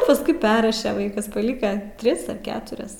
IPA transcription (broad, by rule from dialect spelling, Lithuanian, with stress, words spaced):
pɐsˈkʊɪ ˈpʲɛrrɐʃʲɛ ˈʋɐɪkɐs pɐˈlʲɪkɐ ˈtʲrʲɪs ɐr ˈkʲæːtʊrʲɛs